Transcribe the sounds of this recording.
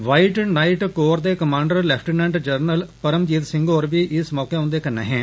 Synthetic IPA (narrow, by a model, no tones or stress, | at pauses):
ʋaːiʈnaːiʈkoːɾd̪eːkəmãːɳɖəɾlɛːpʰʈənɛ̃ːɳʈd͡ʒəɾnəlpəɾəmd͡ʒiːd̪sɪ̃ŋɡoːɾʋiːʔɪsmɔːkeːʊ̃ːnd̪eːkənːḛːɦɛ̃ː